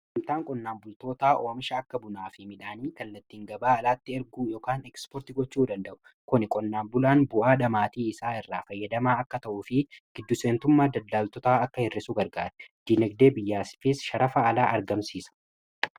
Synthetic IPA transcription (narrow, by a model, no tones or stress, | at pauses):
ɪnt̪aːŋkʼɔnːaːmbʊlt̪o̞ːt̪aːʔoːmɪʃɐːkːɐbʊnaːfɪmɪᶑaːniːkɐlːɐt̪ːiːŋɡɐbaːɐlaːt̪ːɪɛɾɡuːjo̞ːkaːnɛkspɔɾt̪ɪɡɔt͡ʃːuːd̪ɐnd̪ɐʔʊ̥ | kʊnɪkʼɔnːaːbʊlaːnbʊʔaːᶑɐmaːt̪iːɪsaːɪrːaːfɐjːɐd̪ɐmaːɐkːɐt̪ɐʔuːfɪɡ̥ɪd̪ːʊseːnt̪ʊmːaːd̪ɐd̪ːaːlt̪ɔt̪aːɐkːɐhɪrːɪsuɡɐɾɡaːɾɛ̥d̪̥iːnɛɡ̚d̪e̞ːbɪjːaːsɪ̥fɪsʃɐɾɐfɐːlaːʔɐɾɡɐmsiːsɐ̥